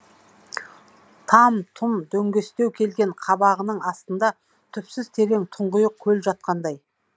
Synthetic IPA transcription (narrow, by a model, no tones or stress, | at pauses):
t̪ʰɑmt̪ʰʊmd̪ɵŋɡʲe̞st̪ewkʲʰe̞lɡʲe̞ɴqʰɑbɑʁənəɴɑst̪ənd̪ɑ | t̪ʰʏpsɪzt̪ʰe̞ɾe̞ŋt̪ʰʊɴʁəjəq̚kʲʰɵlʒɑt̪̚qɑnd̪ɑj